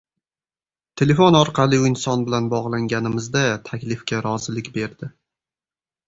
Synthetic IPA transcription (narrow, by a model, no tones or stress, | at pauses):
t̪ʰe̞le̞fo̞nɒɾqʰɑlˠɪɪnsɒnbɪlanbɒʁlˠaŋɡʲanɪmɪzd̪at̪ʰakʲlɪfkʲaɾɒzɪlɪkʲbe̞ɾd̪ɪ